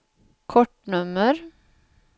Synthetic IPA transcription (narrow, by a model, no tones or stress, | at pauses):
kʰɔʈːɳɵmːəɾ